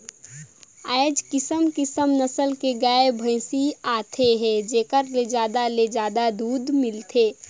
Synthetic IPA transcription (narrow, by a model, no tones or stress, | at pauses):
aed͡ʒkɪsəmkɪsəmnəsəlkeɡaebʱə̃ɪsiaːt̪ʰeɦɛ̃d͡ʒeːkəɾled͡ʒaːd̪aled͡ʒaːd̪ad̪uːd̪mɪlt̪ʰeː